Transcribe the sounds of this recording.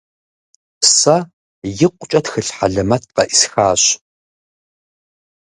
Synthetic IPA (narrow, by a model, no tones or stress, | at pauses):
psɐ | jɪqʷʼʊt͡ʃʼɐtxɨɬħa̰ɮɐmɐt̚ʰqɐʔisxaːɕ